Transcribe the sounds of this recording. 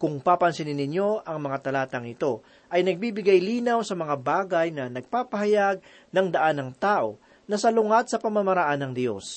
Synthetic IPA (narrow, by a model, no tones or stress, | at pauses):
kʊŋpaːpɐnsɪnɪnːɪnjo̞ʔɐŋmɐŋat̪ɐlaːt̪ɐŋɪt̪o̞ | ʔɐjnɐɡ̚biːbɪɡajliːnɐwsɐmɐŋabaːɡɐjnɐnɐɡ̚paːpɐɦɐjaɡ̚ | nɐŋd̪ɐʔanːɐŋt̪aːʔo̞ | nɐsɐlʊŋat̪̚sɐpɐmamɐɾɐʔanːɐŋd̪jo̞s